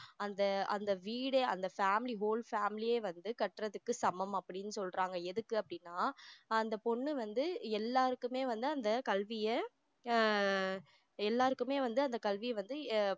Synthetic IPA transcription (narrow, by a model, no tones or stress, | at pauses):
ɐnd̪ɐɐnd̪ɐʋiːɽeɐnd̪ɐfaːmɪliɦoːlfaːmɪlɪjeːʋɐnd̪ɯkɐʈɾɐðɯkːɯsɐmɐmɐpːɐɽɪnːɯsɔlrɾaːŋɡɐɛðɯkːɯɐpːɐɽɪnːaːɐnd̪ɐpɔɳːɯʋɐnd̪ɯɛlːaːɾɯkːɯmeːʋɐnd̪ɯɐnd̪ɐkɐlʋɪjɐ | ɛlːaːɾɯkːɯmeːʋɐnd̪ɯɐnd̪ɐkɐlʋɪjɐʋɐnd̪ɯ